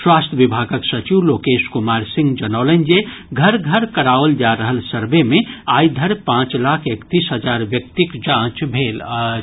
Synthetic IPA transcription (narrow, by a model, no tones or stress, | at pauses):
swast̪ʰjəʋibʱaɡəksət͡ʃiwlokeʃkumaɾsĩŋɡd͡ʒənəʊlənd͡ʒe | ɡʱəɾɡʱəɾkəɾaold͡ʒaɾəɦəlsəɾbemeajd̪ʱəɾpãt͡ʃlakʰekt̪isɦəd͡ʒaɾʋjək̚t̪ikd͡ʒãt͡ʃbʱeːl